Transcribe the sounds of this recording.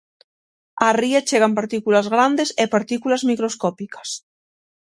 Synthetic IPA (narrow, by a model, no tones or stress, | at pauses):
ariat͡ʃeɣ̞ampaɾt̪ikulazɣɾand̪esepaɾt̪ikulazmikɾoskɔpikḁs